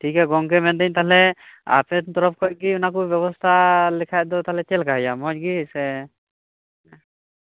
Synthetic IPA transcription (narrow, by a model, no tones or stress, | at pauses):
ʈʰikɛɡɔŋkɛmɛnd̪ɛɲt̪aɦlɛa̰pɛt̪ɔɾɔp̚kɔjɡiunakubjɔβɔst̪ʰalɛkʰaj̚d̪ɔt̪aɦlɛt͡ʃɛlkaɦɔjamɔc̚ɡisɛ